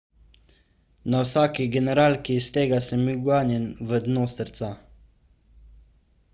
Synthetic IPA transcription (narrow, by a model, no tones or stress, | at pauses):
nawsaːkiɡɛnɛɾaːlkist̪eːɡasəmːiwɡaːnjɛnʋəd̪noːsəɾt̪sa